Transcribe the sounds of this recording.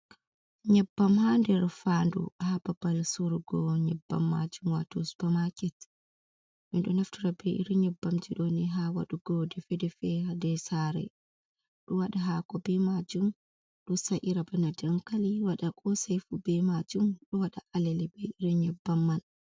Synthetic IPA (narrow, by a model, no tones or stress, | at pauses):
ɲɛbːamhandɛɾfandṵhababalsuɾɡɔɲɛbːa̰mːa̰d͡ʒumwa̰tosu̥bamakɛt | minɗɔnaftuɾabɛʔḭɾiɲɛbːamd͡ʒiɗɔnɛɦawa̰ɗuɡɔdɛfɛdɛfɛadɛsaɾɛ̰ | ɗɔwaɗaɦakɔbɛmad͡ʒum | ɗusaʔiɾabanadaŋkaliwaɗakʼɔsajfubɛmad͡ʒumɗɔwaɗaʔalɛlɛbɛiɾiɲɛbːamːal